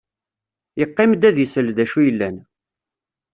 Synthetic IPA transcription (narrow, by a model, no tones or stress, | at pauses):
jəqːɪmd̪æðjəsəlðæʃujəlːæn